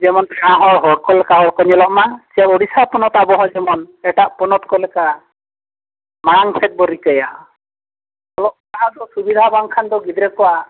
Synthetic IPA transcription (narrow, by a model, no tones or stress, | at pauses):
d͡ʒɛmɔnãɦɔɦɔɽkɔlɛkaɦɔɾkɔɲɛlɔʔmasiaɾɔɽisapɔnɔt̪abɔɦɔ̃d͡ʒɛmɔnɛʈaʔpɔnɔt̪̚kɔlɛka | maɽaŋsʰɛt̪̚bɔɾikəja | ɔlɔʔaɦãd̪ɔsubid̪ʱabaŋkʰand̪ɔɡid̪ɾɛkɔa